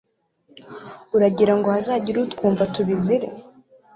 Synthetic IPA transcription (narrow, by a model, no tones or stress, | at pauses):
uɾaɟiɾaŋɡo̞hazaːɟiɾutkuːɱvatuβiziɾḛ